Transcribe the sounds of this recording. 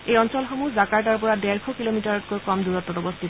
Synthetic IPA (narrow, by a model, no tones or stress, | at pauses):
ejɔnsɔlxomuzakaɹt̬aɹpɔɹadɛɹkʰɔkilomitaɹɔtkojkɔmduɹɔtːɔtɔbost̪ʰit̪ɔ